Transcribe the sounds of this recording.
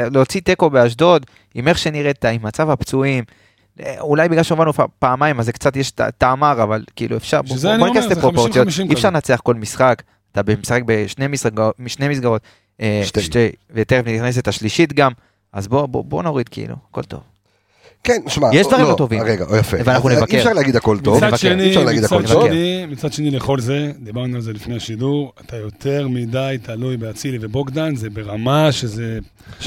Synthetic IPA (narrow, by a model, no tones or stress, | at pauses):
lot͡sit̪e̞ko̞beaʃ̬d̪o̞d̪ | ime̞χʃe̞niʁet̪aimːat͡savhapt͡suim̰ | ulajbiɡlalʃeumvanufapaːmajmazekt͡sat̪jeʃta̰t̪aːmaʁavalkiḭːlṵefʃaʁbznkaslepʁopot͡sijotiefʃaʁnat͡seaχko̞lmisχak | at̪abemesaχek̚beʃne̞misʁakmiʃnemis̬ɡaʁo̞t̪ | eʃʃtevet̪eʁefnit̪iχnes̬et̪aʃliʃit̪ɡam | azbobo̰bo̞noʁid̪keʔḭlṵako̞lt̪o̞̰v | keniʃmajeʃdd̪vaʁimt̪ovimʁeɡa̰ʔojafeveanaχnunevakkeʃaʁleaɡid̪hakoltmiovavakeniʃaʁlaɡɡid̪aonevkeimit͡sad̪ʃe̞nileχo̞lze̞d̪ibaʁnualzelifnejaʃiduʁat̪ajo̞t̪ʰe̞ʁmid̪ajt̪ʰalujbeat͡silivebokd̪anzebeʁamaʃeze